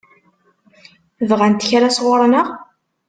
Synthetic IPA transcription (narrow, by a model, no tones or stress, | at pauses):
vʁænt̪əçɾasʁoɾˤnəʁ